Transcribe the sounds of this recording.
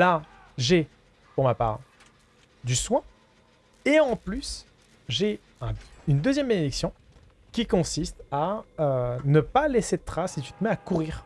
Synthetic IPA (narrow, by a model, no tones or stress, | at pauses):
la | ʒe | puʁmapa̰ːʁ | d̪yswɛ̃ | eɑ̃plys | ʒe | ɛ̃ynd̪əzjɛmbaned̪iksjɔ̃ | kʲikɔ̃sist̪aønəpaleset̪χasit̪y̥t̪əmɛakuʁiːʁ